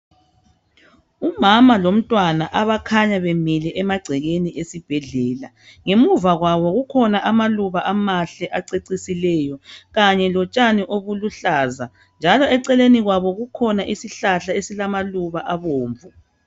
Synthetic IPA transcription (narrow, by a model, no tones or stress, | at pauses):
umamalom̩tʼwanaʔaβakʰaɲaβemilɛʔɛmaɡ͡ǀʱɛɣeniʔesib̥ʱɛɮɛːla | ŋemuvaɣwaβɔɣukʰɔnaʔamaluβaʔamaɬɛʔaǀeǀisilɛjɔɣaɲɛlɔt͡ʃʼaniʔoβuluɬaːza | nd͡ʒʱalɔɛǀɛleniɣwaβɔɣukʰɔnaʔisiɬaɬaesilamaluβaʔaβoːɱvu